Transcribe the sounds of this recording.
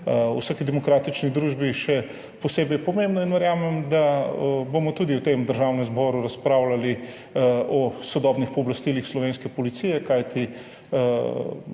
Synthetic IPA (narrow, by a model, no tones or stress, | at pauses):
ṵsakid̪ɛmɔkɾaːt̪it͡ʃniɣd̪ɾuʒbiʃɛ | pɔseːbɛjpɔmẽmbnɔinʋɛɾjaːmɛmd̪abomɔt̪ud̪iwt̪emd̪əɾʒawnɛ̃mzbɔːɾuɾaspɾawlali | ɔsɔd̪ɔːbnixpɔːblast̪ilixslɔʋeːnskɛpɔlit̪sijɛkajt̪i